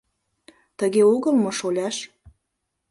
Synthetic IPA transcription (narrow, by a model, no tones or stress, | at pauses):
t̪əɣeuɣə̆lmoʃolʲæʃ